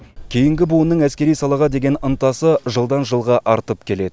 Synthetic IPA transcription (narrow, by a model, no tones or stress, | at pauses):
kʲʰejɪŋɡʲɪbuənːəɴæskʲe̞ɾijsɑlˠɑʁɑd̪e̞ɡʲe̞nənt̪ɑsəʒəlˠd̪ɑnʒəlˠʁɑʔɑɾt̪əp̚kʲʰe̞le̞d̪ɪ